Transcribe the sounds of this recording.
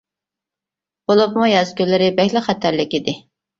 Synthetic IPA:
b̥olˠup̚mujɑzkʲylːɪɾɪbɛhʲlɪχɛt̪ʰæɾlɪkʲid̪ɪ

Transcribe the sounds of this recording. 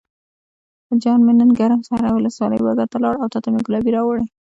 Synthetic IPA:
əd͡ʒɑnmenənɡaɾmsaɾawʊləswɑlə̰jwaɡat̪alɑɽawt̪ɑt̪ameɡʊlɑbiɾɑwəɽəj

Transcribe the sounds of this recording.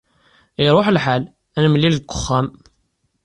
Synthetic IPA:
iɾˤoħəlħal | ænmlːiləkʷːʊ̥χːæm

